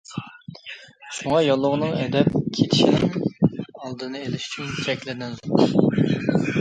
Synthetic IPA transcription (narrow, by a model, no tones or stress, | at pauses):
ʃuŋɑjɑlˠːʊʁənɨŋɛd̪ɛpkʲʰet̪ʰɪ̥ʃinɪŋ | ɑlˠd̪ɨnɨelɪʃy̥t͡ʃʰynt͡ʃʰɛkʲlɪd̪ɪnzo